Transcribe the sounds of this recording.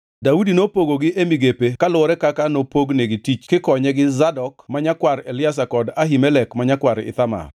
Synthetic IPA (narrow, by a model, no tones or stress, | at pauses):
daudinopoɡoɡɪʔemiɡepekalʊɔɾɛkakanopoɡneɡɪtit͡ʃkɪkɔɲɛɡɪzadɔkmaɲakwaɾelɪas̬akɔdaɦimɛlɛkmaɲakwaɾɪ̰t̪ama̰r